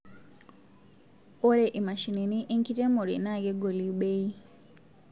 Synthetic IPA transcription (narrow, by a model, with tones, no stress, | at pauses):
o˦ɾɛ˨ʔi˨ma˨ʃi˨ni˨ni˦ʔi˦ŋki˦tɛ˦mo˨ɾḭ˨na˦˨kɛ˦ɡo˨li˨ɓe˦i˦